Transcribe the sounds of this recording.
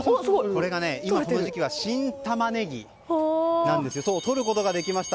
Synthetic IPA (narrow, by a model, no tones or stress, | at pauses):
ko̞ɾe̞ɡane̞immako̞no̞ʑikʲiβ̞aɕĩnt̪amane̞ɡʲḭ | nãnd̪e̞sɨjo̞so̞ːt̪o̞ɾɯ̟ko̞t̪o̞ɡad̪e̞kʲimaɕi̥t̪a